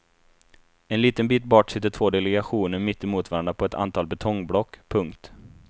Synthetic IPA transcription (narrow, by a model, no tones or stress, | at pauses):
ɛnliːt̪ənbiːt̪̚bɔʈsɪt̪ːəʈʰv̥oːd̪ɛlɛɡaɧuːnəɾmɪt̪ːɪmuːt̪vɑːɾand̪əpʰɔɛt̪ʰa̰nt̪ʰɑːlbɛt̪ʰɔŋːblɔkːpʰɵŋkt̪